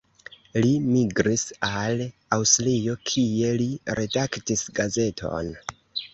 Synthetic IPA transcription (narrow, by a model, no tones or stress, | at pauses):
limiɡɾisalawstlijo̞kʰie̞liɾe̞daktisɡaze̞tʰo̞̰n